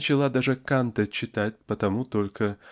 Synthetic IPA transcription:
t͡ɕɪlˠad̪aʐɨkant̪ət͡ɕːɪt̪atʲpət̪ɐmut̪olʲkʰə

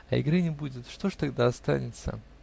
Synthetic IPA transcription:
ɐ̰ɪ̰ɡɾɨnʲɪbudʲɪt̪ʂt̪o̞ʐt̪ɐɡd̪aɐst̪a̰nʲɪt̪sə̰

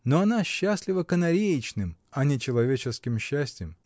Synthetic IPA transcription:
noɐnaɕːasʲlʲɪvəkənɐɾʲejɪt͡ɕnɨmɐnʲɪt͡ɕɪlˠɐvʲet͡ɕɪskʲɪmɕːæsʲtʲjɪm

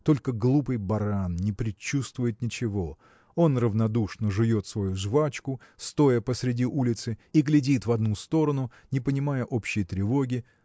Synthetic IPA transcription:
t̪o̞lʲkəɡlˠupɨjbɐɾannʲɪpɾʲɪt͡ɕːust̪vʊjɪt̪nʲɪt͡ɕɪvo̞ | o̞nrəvnɐd̪uʂnəʐɨvʲo̞t̪svɐjuʐvat͡ɕkʊst̪o̞jəpəsɾʲɪdʲiʔulʲɪt̪sɨiɡlʲɪdʲit̪vɐd̪nust̪o̞ɾənʊ | nʲɪpənʲɪmajəʔo̞pɕːɪjət̪ɾʲɪvo̞ɡʲɪ

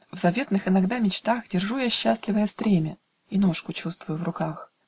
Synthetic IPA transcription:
vzɐvʲe̞t̪nɨxɪnɐɡd̪amʲɪt͡ɕt̪axdʲɪrʐujaɕːasʲlʲɪvəjəst̪ɾʲemʲɪ | ino̞ʂkʊt͡ɕust̪vʊjʊvrʊkax

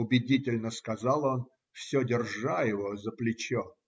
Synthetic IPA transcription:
ʊbʲɪdʲitʲɪlʲnəskɐzɑlˠo̞n | fsʲodʲɪrʐajɪvozəplʲɪt͡ɕo

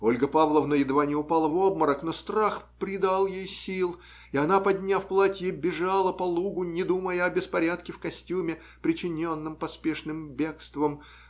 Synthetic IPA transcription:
o̞lʲɡəpavlˠəvnəjɪd̪vanʲɪʊpalˠəvob̚məɾəkn̪ost̪ɾaxpɾʲɪd̪alˠjejsʲilˠ | ɪɐnapɐd̪ʲnʲafplˠatʲjebʲɪʐalˠəpɐlˠuɡʊnʲɪd̪uməjəɐbʲɪspɐɾʲat̪̚kʲɪfkɐsʲtʲumʲɪ | pɾʲɪt͡ɕɪnʲo̞nːɨmpɐspʲeʂnɨmbʲe̞kst̪vəm

